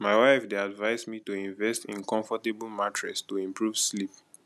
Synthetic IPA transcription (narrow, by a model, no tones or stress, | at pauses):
maɪwaɪfdeadvaɪzmitoĩɱvɛstḭ̃nkɔ̃ɱfɔtebl̩matɹɛ̰stoĩmpʰɹuv̥slip